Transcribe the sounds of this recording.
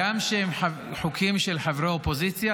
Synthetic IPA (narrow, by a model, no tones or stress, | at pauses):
amʃehemħa | ħokʰimʃelħavʁaopozit͡sja